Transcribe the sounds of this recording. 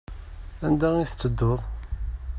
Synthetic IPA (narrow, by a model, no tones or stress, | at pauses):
ænd̪æiθt͡sːəd̪ːoðˤ